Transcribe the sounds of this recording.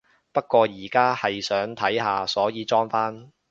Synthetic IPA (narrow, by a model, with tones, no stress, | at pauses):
pɐ˥t̚kːʷɔː˧jiː˨˩kaː˥hɐ˨jsœː˨˥ŋt̪ʰɐ˨˥jɦaː˨sɔː˨˥jiː˨˧t͡sɔː˥ŋfaː˥n